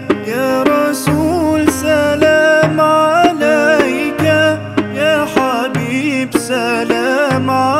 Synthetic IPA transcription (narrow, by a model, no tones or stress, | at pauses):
kaɾˤɑsulsalamʕalajka | jaħabibsælamʕa